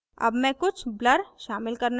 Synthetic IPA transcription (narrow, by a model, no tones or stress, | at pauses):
ɐ̰bmɛ̃kʊt͡ʃʰbləɾʃaːmɪlkɐɾn